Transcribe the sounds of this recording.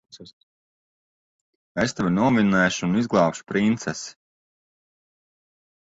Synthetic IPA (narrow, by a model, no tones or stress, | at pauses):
est̪ɛvʲinuɔminɛːʃunizɡlˠɑːpʃu̥pɾint̪sɛs